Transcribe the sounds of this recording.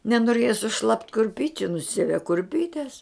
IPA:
nʲɛnoːˈrʲeːjɛ sʊˈʃlˠɐpt kʊrʲˈpʲiːt͡ʃʲʊ nʊˈsʲiɛʋʲɛ kʊrʲˈpʲiːtʲɛs

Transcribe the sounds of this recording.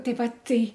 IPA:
ˈtɐɪ ˈʋɐt ˈtɐɪ

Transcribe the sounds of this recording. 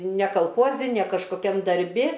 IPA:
nʲɛ kɐlˠˈxuɔzʲɪ nʲɛ kɐʃkoːˈkʲɛm dɐrʲˈbʲɪ

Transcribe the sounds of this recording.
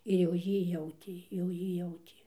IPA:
ɪr jɛʊ ˈjiː ˈjɛʊtʲeː jɛʊ ˈjiː ˈjɛʊtʲeː

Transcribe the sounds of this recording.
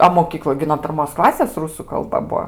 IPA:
ɐ moːˈkʲiːklˠoːj ɡʲɪ noː pʲɪrˈmoːs ˈklˠɑːsʲeːs ˈrʊsʊ kɐlˠˈbɐ ˈbuɔ

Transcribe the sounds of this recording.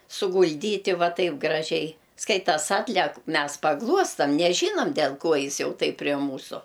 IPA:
sʊɡʊlʲˈdʲiːtʲɪ ˈʋɐ ˈtɐɪp ɡrɐˈʒʲɛɪ ˈskɐɪtɐs ˈɑːtʲlʲɛk ˈmʲɛs pɐˈɡlˠuɔstɐm nʲɛˈʒʲiːnɐm dʲɛlˠ ˈkoː ˈjɪs ˈjɛʊ tɐɪp pʲrʲɛ ˈmuːsʊ

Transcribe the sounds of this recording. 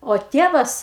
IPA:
oː ˈtʲiɛʋɐs

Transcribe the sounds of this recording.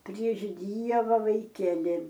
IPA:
pʲrʲiɛʃ ˈdʲiɛʋɐ ʋɐɪˈkʲæːlʲɪ

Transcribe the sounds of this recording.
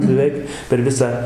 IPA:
bʲɛˈʋʲɛɪk pʲɛr ˈʋʲɪsɑː

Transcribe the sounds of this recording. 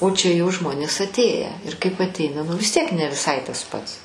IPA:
oː t͡ʃʲɛ jɛʊ ˈʒmoːnʲeːs ɐtʲˈeːjæː ɪr kɐɪp ɐtʲˈɛɪnɐ ˈnʊ ʋʲɪs ˈtʲiɛk nʲɛ ʋʲɪˈsɐɪ tɐs ˈpɐts

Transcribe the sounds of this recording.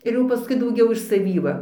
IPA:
ɪr ˈjɛʊ pɐˈskʊɪ dɐʊˈɡʲɛʊ ɪʃ sɐˈʋʲiː ˈʋɐ

